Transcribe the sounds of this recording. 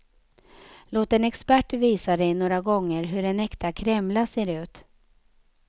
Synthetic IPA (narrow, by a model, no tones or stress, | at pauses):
loːt̪ɛnɛkspæʈːviːsad̪ɛjnoːɾaɡɔŋːəɾɦɵɖɛnɛkt̪akʰɾɛmlaseːɾʉ̟ːt̪